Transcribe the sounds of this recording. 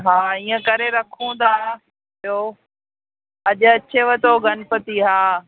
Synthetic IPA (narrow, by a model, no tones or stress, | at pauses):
ɦaːiːə̃kɐɾeɾɐkʰũnd̪aː | ɪo | ɐʄʊɐt͡ɕʰeʋɐt̪oɡʱɐnɪpɐt̪iɦaː